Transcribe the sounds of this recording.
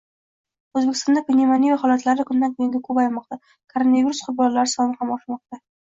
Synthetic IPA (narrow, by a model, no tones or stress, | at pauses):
ɵzbekʲʰɪst̪ɒnd̪apʰɪnimanijaχɒlat̪laɾɪkʰʊnd̪ankʰoŋɡʲakʰɵpajmɒq̚t̪a | kʰoɾonaviɾusqʰʊɾbɒnlaɾɪsɒnɪhamɒʃmɒq̚t̪a